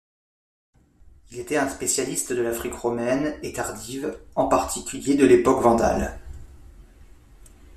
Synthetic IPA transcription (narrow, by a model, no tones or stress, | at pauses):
ilet̪ɛt̪ɛ̃spesjalist̪d̪əlafχikʁɔmɛnet̪aʁd̪ivɑ̃paʁt̪ʰikʲyljed̪əlepɔkvɑ̃d̪a̰l